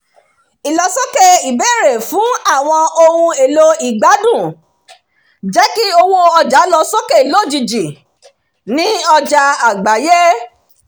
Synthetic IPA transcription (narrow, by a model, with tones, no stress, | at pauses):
i˨lɔ˧sɔ˦kɛ˦i˨bɛ˦˨ɾe˨fũ˨˦a˦˨w̃ɔ̃˧o˧hũ˧e˨lo˧i˨ɡ͡ba˨˦dũ˦˨ | d͡ʒɛ˦ki˦o˧wo˦ɔ˧d͡ʒa˨˦lɔ˧sɔ˦kɛ˦˨i˨lo˦˨d͡ʒi˧d͡ʒi˨ | nĩ˦ɔ˧d͡ʒa˧a˨ɡ͡ba˨˦je˦